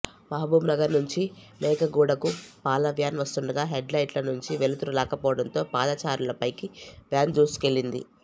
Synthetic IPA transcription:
mɐɦɐbuːmnɐɡɐɾnuɲt͡ʃimɛːkɐɡuːɽɐkupaːlɐʋjaːnʋɐst̪uɳɖɐɡaːɦeɖlɐjʈlɐnuɲt͡ʃiʋe̞lut̪uɾulɛːkɐpɔːʋɐɽɐnt̪o̞ːpaːd̪aːt͡ʃaːɾulɐpɐjkiʋjaːnd͡ʒuːsu̥ke̞lːind̪ḭ

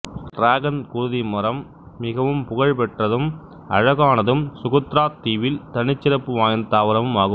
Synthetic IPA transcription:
ɾaːɣɐnkʊɻʊðimɐɾɐmː | ɪɣɐʋɯmpʊɣɐɻpɛʈrɐðɯm | ɐ̰ɻɐɣaːnɐðɯmsʊɣɐt̪ɾaːt̪iːʋɪlt̪ɐɳɪt͡ʃːɪɾɐpːɯʋaːjɐnt̪aːʋɐɾɐʋɯmaːɣɯ

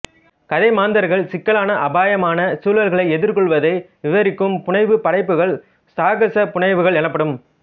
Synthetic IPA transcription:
kɐðɐɪmaːnd̪ɐɾɣɐɭsɪkːɐɭaːnɐʔɐbaːjɐmaːnɐsuːlɐlɣɐɭɐɪɛðɪɾkɔɭʋɐðɐɪ | ʋɪʋɐɾɪkːɯmpʊɳɐɪʋɯpɐɽɐɪpːɯɣɐɭ | saːɣɐsɐpʊɳɐɪʋɯɣɐɭɛnɐpːɐɽɯm

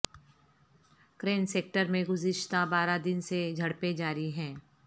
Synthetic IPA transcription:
kɾeːnseːk̚ʈəɾmẽɡʊzɪʃt̪abaːɾad̪ɪnsed͡ʒʱɐɽped͡ʒaːɾiɦɛ̃ː

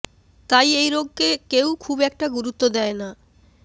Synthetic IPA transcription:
t̪ajejɾoɡ̚ːkekewkʰubɛk̚ʈaɡuɾut̪ːod̪ɛena

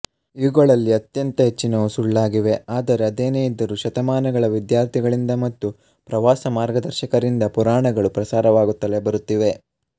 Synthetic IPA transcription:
iɡɐɭɐlːiɐt̪jɐnt̪ɐɦet͡ʃːinɐʋusuɭːaːɡiʋe̞aːd̪ɐɾe̞ɐd̪eːneːjid̪ːɐɾuʃɐt̪ɐmaːnɐɡɐɭɐʋid̪jaːɾt̪ʰiɡɐɭind̪ɐmɐt̪ːu | pɾɐʋaːsɐmaːɾɡɐd̪ɐɾʃɐkɐɾind̪ɐpuɾaːɳɐɡɐɭupɾɐsaːɾɐʋaːɡut̪ːɐle̞bɐɾut̪ːiʋe̞

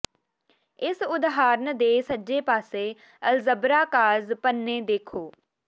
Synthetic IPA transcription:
ɪsʊd̪ɦaːɾnd̪eːsəd͡ʒeːpaːseː | əlzəbɾaːkaːzpənːeːd̪eːkʰoː

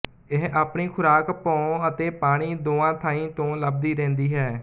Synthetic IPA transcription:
ɪɦaːpɳiːkʰʊɾaːkpõːət̪eːpaːɽ̃iːd̪oːãːt̪ʰaːĩːt̪õːləb̚d̪iːɾɛ̃ːnd̪iːɦɛː

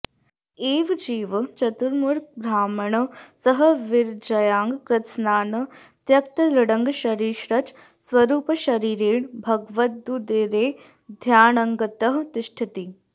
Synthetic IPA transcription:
eːʋd͡ʒiːʋt͡ʃɐt̪uɾmuɾbɾaːmɐɳɐsɐɦɐʋɪɾd͡ʒɐjaːŋɡkɾɪt̪snaːnɐ | t̪jɐkt̪ɐlɐɽɐŋɡʃɐɾiːʃɾɐt͡ʃ | sʋɐɾuːpɐʃɐɾiːɾeːɳbʱɐɡʋɐt̪̚d̪ud̪eːɾeː | d̪ʱjaːɳɐŋɡɐt̪ɐɦt̪ɪʃʈʰit̪i

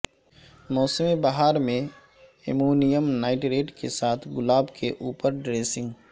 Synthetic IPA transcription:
mɔːsəmibaɦaːɾmẽ | ɪmuːnijəmnaːɪʈɾeːʈkesaːt̪ʰɡʊlaːbkʰeʔuːpəɾɖɾeːsɪ̃ŋɡ

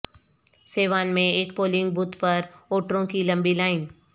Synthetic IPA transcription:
seːʋaːnmẽeːkpoːlɪ̃ŋɡ̚buːt̪pɐɾoːʈɾõkilɐ̃mbilaːɪn

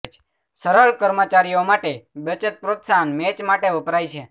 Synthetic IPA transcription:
t͡ʃ | səɾəɭkəɾmət͡ʃaɾijomaʈebət͡ʃət̪̚pɾot̪sanmet͡ʃmaʈeʊpɾajt͡ʃʰe

